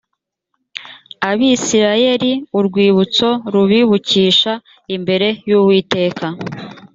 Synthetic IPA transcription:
aβisiɾaje̞ɾiuɾɡwiːβut͡so̞ɾuβiβuciːʃa | imbe̞ɾe̞juːβwiːte̞ːka

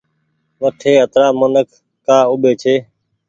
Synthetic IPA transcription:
ʋəʈʰeːɦət̪ɾaːmonəkʰ | kːaːʊɓeːt͡ʃʰeː

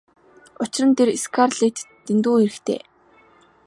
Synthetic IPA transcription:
ʊt͡ɕɪ̆rə̆nt̪ʰereskʰarɮiːk̚t̪ːent̪uːxeɾɘ̆xt̪ʰḛː

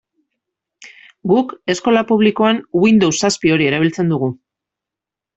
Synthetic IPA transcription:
ɡuke̞sko̞lapuβliko̞anwind̪o̞wsːaspio̞ɾie̞ɾaβ̞ilt͡se̞nd̪uɣ̞u

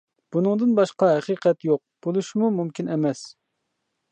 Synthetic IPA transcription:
b̥unɨŋd̪ɨnbɑʃqɑɦɛqiqʰɛt̪joq̚b̥ulˠuʃmumumkʲʰinɛmɛs

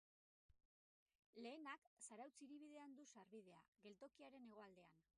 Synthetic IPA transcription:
le̞ːnaksaɾawt͡siɾiβ̞ið̞e̞and̪usaɾβið̞e̞a̰ɣe̞lt̪o̞kiaɾe̞ne̞ɣ̞o̞ald̪e̞an

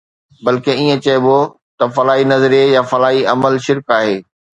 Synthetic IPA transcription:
bɐlkeiːẽt͡ɕɐjbo | t̪ɐfɐlaːɦinɐzɾejafɐlaːɦiɐməlʃɪɾkaːɦeː

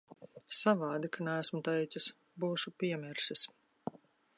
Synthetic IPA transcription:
savɑːd̪ikanɛæsmut̪ɛjt̪sis | buːʃupʲiɛmɛɾsis

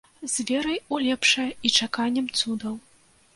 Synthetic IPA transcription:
zʲvʲɛɾɐjulʲɛpʂɐjɐit͡ʂakanʲːɐmt̪sud̪ɐw

